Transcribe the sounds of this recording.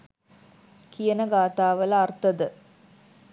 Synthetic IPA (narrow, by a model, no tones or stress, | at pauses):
kijənəɡaːt̪aːʋɐlɐrt̪ɐd̪ə